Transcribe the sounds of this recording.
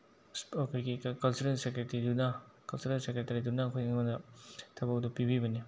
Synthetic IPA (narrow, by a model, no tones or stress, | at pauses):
spɔkʰɐɾɡikkɐlsuɾensekɾetɐɾiduna | kɐlseɾensekɾetɐɾidunakʰojŋmɐnɐtʰɐbɐk̚dupibibɐni